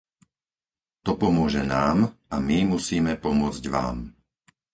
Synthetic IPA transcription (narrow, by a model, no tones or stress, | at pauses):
t̪ɔpɔmʊɔʒɛnaːmamimusiːmɛpɔmʊɔd͡zɟʋa̰ːm